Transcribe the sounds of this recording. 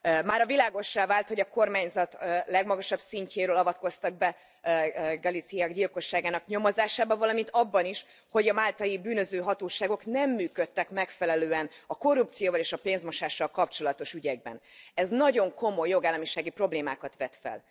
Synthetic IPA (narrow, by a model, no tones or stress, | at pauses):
maːɾɒvilaːɡo̞ʃːaːvaːlt̪ho̞ɟɒko̞rmaːɲzɒt̪ːlɛɡmɒɡɒʃɒbsiɲceːɾøːlɒvɒt̪̚ko̞st̪ɒɡ̚bɛ | ɡɒlit̪sijaːɡɟilko̞ʃːaːɡaːnɒkɲomozaːʃaːbɒvɒlɒmint̪ɒbːɒniʃ | ho̞ɟɒmaːlt̪ɒjibyːnø̞zøːɦɒt̪oːʃaːɡo̞knɛmːyːkøt̪ːɛkmɛkfɛlɛløːɛnɒko̞rːup̚t̪sijoːvɒleːʃɒpeːnzmo̞ʃaːʃːɒlkɒp̚t͡ʃo̞lɒt̪o̞ʃyɟɛɡ̚bɛ̰nɛznɒɟo̞ŋko̞mo̞jːo̞ɡaːlːɒmiʃaːɡipro̞bleːma̰ːkɒt̪ʋɛt̪fɛ̰l